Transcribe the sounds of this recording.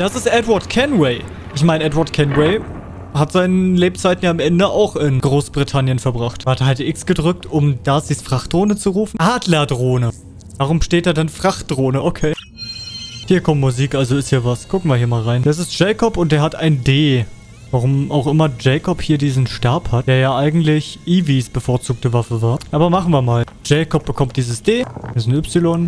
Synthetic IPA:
d̥asɪstʔɛtwaɐtkʰɛnwɛɪ | ʔɪçmaɪnʔɛtwaɐtkʰɛnwɛɪ | hatz̥aɪnənleːp̚t͡saɪtn̩jaːamʔɛndəʔaʊxɪnɡ̥ʁoːsb̥ʁitʰanjənfɛɐbʁaχtathadʔɪksɡ̥ədʁʏk̚tʰʊmd̥azisfʁ̥aχtd̥ʁoːnət͡suʁuːfn̩ʔaːdlɐdʁoːnə | v̥aːʁ̞ʊmʃteːt̚d̥aːɐdanfʁ̥aχt̚d̥ʁoːnəʔokʰeː | hiːɐkʰɔmmuziːkʔalzoɪsthiːɐvaskʰʊkŋ̩viɐhiːɐmaːlʁaɪnd̥as̬ɪstʒ̥ɛɪkɔpʊnt̚d̥eːɐhataɪndeː | vaʁʊmaʊxʔɪmɐd͡ʒɛɪkʰɔphiːɐdiːzn̩ʃtaɐphatd̥eːɐjaːʔaɪɡŋ̩tlɪçʔiːvisb̥əfoːɐt͡suːk̚təvafəvaːɐʔaːbɐmaχn̩viːɐmaːl | d͡ʒɛɪkɔp̚b̥əkʰɔmt̚d̥iːzəsd̥eːsnʏpsɪlɔn

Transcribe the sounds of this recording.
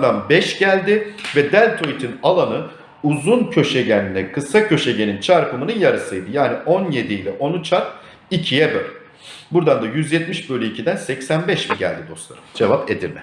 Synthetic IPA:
d̪anbɛʃɟ̥ælʲd̪ɪvɛd̪ælʲt̪ʰo̞it̪ʰinalˠanɯ | uzuncʰø̞ʃeɟænlʲɛkʰɯsacʰø̞ʃeɟe̞nint͡ʃʰaɾpɯmɯnɯnjaɾɯsɯjd̪ɯjaːniʔo̞nje̞d̪ilʲɛʔo̞nut͡ʃʰaɾp̚ | icʰijɛbølʲ | buɾd̪and̪ajyzjɛt̪miʃbølʲyicʰid̪ænsɛcsænbɛʃmiɟæ̰lʲd̪id̪o̞slˠa̰ɾɯmd͡ʒevaped̪iɾmɛ

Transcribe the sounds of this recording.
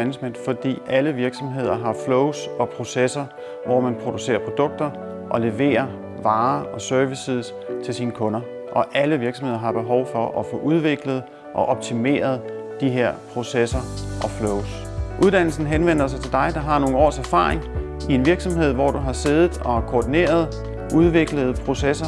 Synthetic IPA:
ænsmen̰d̥fɒ̽d̥ḭːʔæləʋiɐɡ̥sɒ̽mɦe̝ð̞̰ˠɐɦɑ̈flɔʊsɒ̽pʰʁo̝sesɐ | ʋɒmænpʰʁo̝d̥use̝̰ːɐpʰʁo̝d̥ɔ̽ɡ̥̚d̥ɐ | ʔɒ̽le̝ʋe̝̰ːɐ | ʋɑ̈ːɒ̽sœɐʋisiðˠs | t͡sʰe̝lsiːnəkʰɔ̽nɐ | ʔɒ̽ʔæləʋiɐɡ̥sɒmhe̝ð̰ˠɐɦɑ̈b̥e̝ɦɒʊfɒ̽ʔɒ̽fɔ̽ːʔuð̞ˠʋe̝ɡ̥ləð̩ˠ | ʔɒ̽ʔɒ̽b̥̚t͡sʰime̝̰ːɐð̞̩ˠd̥iɦe̝ɐ̰pʰʁo̝sesɐʔɒ̽floʊs | ʔuðˠd̥æn̰l̩sn̩ɦenʋen̰ɐs̬ɑ̈ɪt͡sʰe̝d̥ɑ̈ɪd̥ɑ̈ɦɑ̈no̝ːŋɒ̰ːsæɐfɑ̰̈ːʁeŋ | ie̝nʋiɐɡ̥sɒ̽mɦe̝ð̞̰ˠʋɒd̥uɦɑ̈se̝ð̞ˠð̩ˠɒ̽kʰoːd̥ine̝̰ːɐð̞̩ˠ | ʔuð̞ˠʋe̝ɡ̥ləð̞̩ˠpʰʁo̝sesɐ

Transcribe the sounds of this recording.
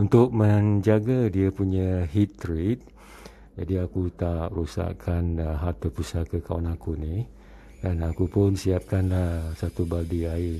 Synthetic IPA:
unt̪ʊk̚məɲd͡ʒaɡadiəpuɲəɦit̪ːɾit̪̚ | d͡ʒadiakut̪aʔrusa̰ʔkʰanɦat̪əpusakəkawanakunih | ɡanakupʊnsiap̚kanlahsat̪ubaldiaɪr

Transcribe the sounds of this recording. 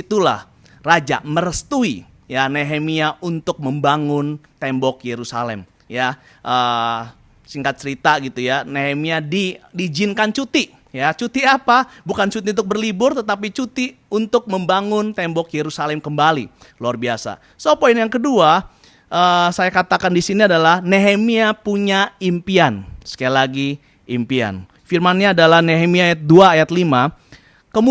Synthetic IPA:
it̪ula̰h | rad͡ʒa̰məɾəst̪ui | janeɦemiaʔunt̪ʊk̚məmbaŋʊnt̪ɛmbɔkjeɾusa̰lɛ̰m | ja | ʔəː | siŋkat̪̚t͡ʃəɾit̪aɡit̪ujaneɦemiadidid͡ʒɪnkant͡ʃut̪i | jat͡ʃut̪iapabukant͡ʃut̪iunt̪ʊk̚bərlibʊrt̪ət̪ap̬it͡ʃut̪i | unt̪ʊk̚məmbaŋʊnt̪ɛmbɔkjeɾusalɛmkəmbali | luarbiasa̰ | sopoɪnjaŋkədua | ʔəsajakat̪akandisiniadalahneɦemiapuɲaimpiansə̥kajalaɡi | impia̰n | firmanɲaːdalahneɦemiaːjat̪̚duaːjat̪lima | kəm

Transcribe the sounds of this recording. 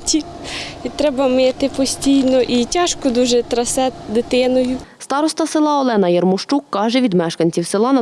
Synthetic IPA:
tʲi | it̪ɾɛbɐmet̪ɪpɔsʲtʲijnɔʔitʲɑʃkɔd̪uʒɛt̪ɾɐsɛd̪ɪt̪ɪnɔjʊ | st̪ɑɾɔst̪ɐsɪlˠɑɔlˠɛnɐjɐrmʊʃt͡ʃukːɑʒɛʋʲid̪mɛʃkɐnʲt͡sʲiwsɪlˠɑnɐ

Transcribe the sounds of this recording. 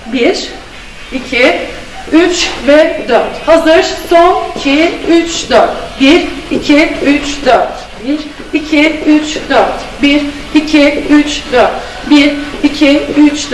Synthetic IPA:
biɾ̥ | icʰi | yt͡ʃvɛd̪øɾt̪hazɯɾɾsonicʰiyt͡ʃd̪øɾt̪biɾicʰiyt͡ʃd̪øɾt̪ | biɾ | icʰiyt͡ʃd̪øɾt̪ | biɾ | icʰiyt͡ʃd̪øɾt̪ | biɾicʰiyt͡ʃd̪

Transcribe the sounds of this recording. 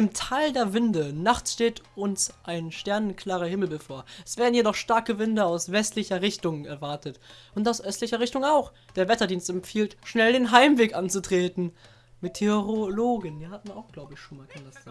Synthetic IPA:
ɪmtʰaːldeːɐvɪndənaχt͡sʃteːtʊnsʔaɪnʃtɛɐnənkʰl̥aːʁɐhɪml̩bəfoːɐɛsv̥eːɐdn̩jedɔχʃtaɐkəvɪndɐaʊsv̥ɛstlɪçɐʁɪçtʊŋɛɐvaɐtətʔʊntaʊsʔœstlɪçɐʁ̞ɪçtʊŋaʊx | d̥eːɐvɛtɐdiːnstɛmfiːltʃnɛldeːnɦaɪmveːkʔant͡sutʁ̥eːtn̩ | metʰeʁoloːɡənviːɐhat̩̚aaʊxɡ̥laʊbəɪçʃoːnmaːlkʰandasaːɡ

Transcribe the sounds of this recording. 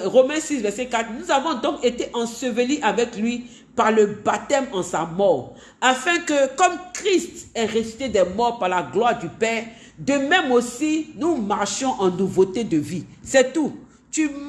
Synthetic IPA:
ʁomɛ̃sisvɛʁsɛkat̪χnuzavɔ̃d̪ɔ̃ket̪eʔɑ̃səvəniʔavɛklɥi | paʁləbat̪ɛmɑ̃samɔːʁ | afɛ̃kəkɔmkʁist̪ɛʁɛsi̥t̪ed̪ɛmɔʁpaʁlaɡlwaʁd̪ypɛːʁ | d̪əmɛ̃mosinumaʁʃɔ̃ʔɑ̃nuvot̪ed̪əvisɛt̪u | t̪ym

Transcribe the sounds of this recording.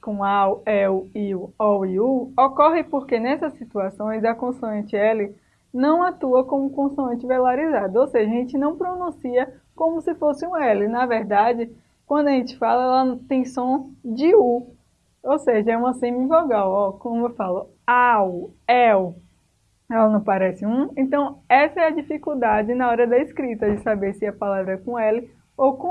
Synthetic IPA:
kõawɛiuɔwiuɔkɔɦɪpoɾkenɛsɐsːit̪uasõj̃zɐkõsuẽnt͡ʃɪɛlɪ | nɐ̃w̃at̪uɐkõmʊkõsuɐ̃nt͡ʃɪvelaɾizad̪ʊowseʒɐʒẽnt͡ʃɪnɐ̃w̃pɾonũsiɐ | kõmʊsɪfosɪũɛlɪnɐvɛɾd̪ad͡ʒɪ | kwɐ̃d̪ʊɐʒẽnt͡ʃɪ̥falɐɛlɐt̪ẽj̃sõd͡ʒɪu | owseʒɐɛũmɐsẽmĩvɔɡawɔkõmʊewfalʊ | awɛw | ɛlɐnɐ̃w̃paɾɛsɪũẽt̪ɐ̃w̃ɛsɐɛɐd͡ʒifikuwd̪ad͡ʒɪnɐɔɾɐd̪ɐiskɾit̪ɐd͡ʒɪsabeɾsɪɐpalavɾɐɛkõɛlɪ | owkõ

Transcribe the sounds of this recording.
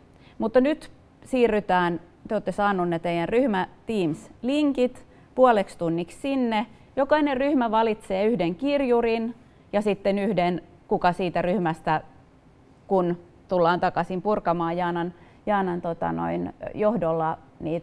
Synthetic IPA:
mut̪ːɑnyt̪ | siːrːyt̪æːn | t̪eoːt̪ːesɑːnːunːet̪eijærryhmæt̪iːmsliŋkit̪ | puɑlekst̪unːikssinːe | jokɑinerryhmæʋɑlit̪seːyhdeŋkirjurin | jɑsit̪ːenyhden | kukɑsiːt̪æryhmæst̪æ | kun | t̪ulːɑːnt̪ɑkɑsimpurkɑmɑːjjɑːnɑn | jɑːnɑnt̪ot̪ɑ̰no̰injohdolːɑ | niːt̪

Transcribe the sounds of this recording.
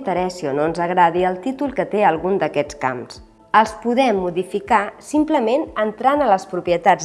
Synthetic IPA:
t̪əɾɛsionoənzəɣɾaðiəlˠt̪it̪ulˠkət̪eəlˠɣund̪əkɛt͡ska̰ms | əlˠspuðɛmːuðifikasimpləmenənt̪ɾanələspɾupjət̪az

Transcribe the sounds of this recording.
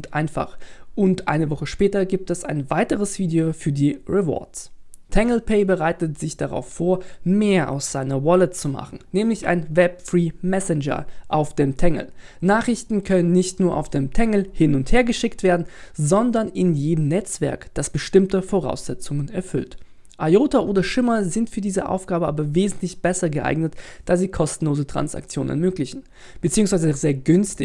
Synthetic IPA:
tʔa̰ɪnfa̰χʔʊntʔa̰ɪnəvɔχəʃpɛːtɐɡiːp̚tɛsa̰ɪnvaɪtəʁəsv̥iːdeofyːɐdiːʁɛvɔ̰ɐtstʰɛŋl̩pʰɛɪbəʁaɪtətz̥ɪçd̥aʁa̰ʊfːoːɐmeːɐʔa̰ʊsz̥aɪnɐwɔlətt͡suma̰χn̩nɛːmlɪça̰ɪnvɛpfʁiːmɛsɛnd͡ʒɐ̰ʔaʊfd̥eːmtʰɛŋl̩ | naːχʁ̥ɪçtn̩kʰœnənːɪçtnuːɐʔa̰ʊfd̥eːmtʰɛŋl̩hɪnʊntheːɐɡəʃɪktv̥eːɐdn̩zɔndɐnɪnjeːdəm̩nɛt͡sv̥ɛ̰ɐkd̥asb̥əʃtɪmtəfoʁa̰ʊsz̥ɛt͡sʊŋənɛɐfʏ̰lt | ʔajoːtaʔoːdɐʃɪmɐzɪntfyːɐdiːzə̰ʔa̰ʊfɡ̥aːbəʔa̰ːbɐveːzn̩tlɪçb̥ɛsɐɡəʔa̰ɪɡnətd̥aːziːkʰɔstn̩loːzətʁ̥a̰nsa̰k̚t͡sjoːn̰nɛ̰ɐmøːklɪçn̩ | b̥ət͡siːʊŋsv̥aɪzəzeːɐɡʏnstɪ

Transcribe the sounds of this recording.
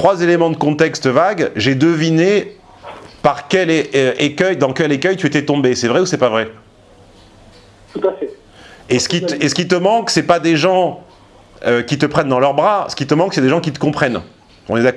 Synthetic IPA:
t̪χwazelemɑ̃d̪əkɔ̃t̪ɛkst̪vaɡʒed̪əvine | paʁkʲɛlekʲœjd̪ɑ̃kʲɛlekʲœjt̪yet̪ɛt̪ɔ̃besɛvʁɛusɛpavʁɛ | t̪ut̪afɛ | esə̥kʲit̪esə̥kʲit̪əmɑ̃ksɛpad̪eʒɑ̃ | økʲit̪əpχɛnd̪ɑ̃lœʁbʁasə̥kʲit̪əmɑ̃ksɛd̪eʒɑ̃kʲit̪ə̥kɔ̃pχɛn | ɔ̃nɛd̪akɔ

